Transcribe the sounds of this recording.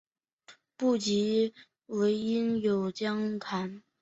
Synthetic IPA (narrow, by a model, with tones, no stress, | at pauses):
pu˥˩t͡ɕi˧˥ | we˧˥ɪi˥njo˨˩ʊt͡ɕjɑ˥ŋt̪ʰa˧˥n